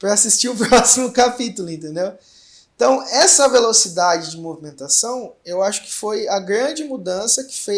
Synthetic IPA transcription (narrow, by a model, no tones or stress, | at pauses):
pɾɐasist͡ʃiʊpɾɔsimʊkapit̪ulʊẽnt̪ẽnd̪ew | ẽt̪ɐ̃w̃ɛsɐvelosid̪ad͡ʒɪd͡ʒɪmovimẽnt̪asɐ̃w̃ewaʃʊ̥kɪ̥fojɐɡɾɐ̃d͡ʒɪmud̪ɐ̃sɐkɪ̥fe